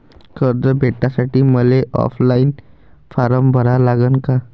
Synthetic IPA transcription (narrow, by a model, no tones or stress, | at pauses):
kəɾd͡zəbʱeʈːasaʈiːməleʔɔ̰flainfaɾəmbʱəɾalaɡənka